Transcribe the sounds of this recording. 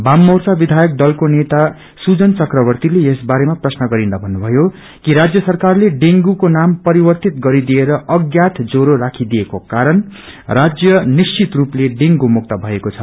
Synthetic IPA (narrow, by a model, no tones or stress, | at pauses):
bamːʌrsabid̪ʱajʌk̚d̪ʌlkonet̪a | sud͡zʌnt͡sʌkrʌbʌrt̪ilejesbaɾemaprʌsnʌɡʌɾind̪abʱʌnːubʱʌjo | kiɾad͡zjʌsʌrkarleɖeŋɡukonampʌɾibʌrt̪it̪ɡʌɾid̪ieɾʌʌɡjat̪ʰd͡zoɾoɾakʰid̪ijekokaɾʌnrad͡zjʌnist͡sit̪rupleɖeŋɡumuk̚t̪ʌbʱʌekot͡sʰʌ